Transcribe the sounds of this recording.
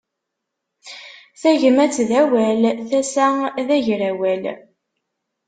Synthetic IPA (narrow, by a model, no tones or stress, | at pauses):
θæʝəmæt͡sːðæwælθæsæðæʝɾæwæl